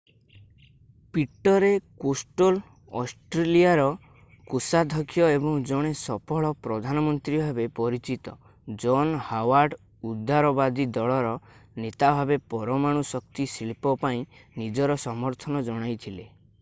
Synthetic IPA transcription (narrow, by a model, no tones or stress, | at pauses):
piʈːɔɾekosʈol | ɔsʈɾeliaɾɔ | kusad̪ʱɔkʰjɔebɔŋd͡ʒɔɽ̃esɔpʰɔɭɔpɾɔd̪ʱanɔmɔnt̪ɾibʱabepɔɾit͡ʃit̪ɔ | d͡ʒɔnhawaɾɖ | ud̪ːaɾɔbad̪id̪ɔɭɔɾɔnet̪abʱabepɔɾɔmaɽ̃usɔkt̪isiɭipɔpaĩnid͡ʒɔɾɔsɔmɔɾt̪ʰɔnɔd͡ʒɔɽ̃ajt̪ʰile